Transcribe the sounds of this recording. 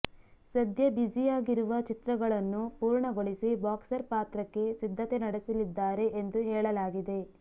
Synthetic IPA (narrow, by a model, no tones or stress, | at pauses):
sɐd̪ʱjɐbid͡ʒijaːɡiɾuʋɐt͡ʃit̪ɾɐɡɐɭɐnːupuːɾɳɐɡoɭisibaːksɐɾpaːt̪ɾɐkːe̞sid̪ʱːɐt̪e̞nɐɽisɐlid̪ːaːɾe̞ʔend̪uɦɛːɭɐlaːɡid̪e̞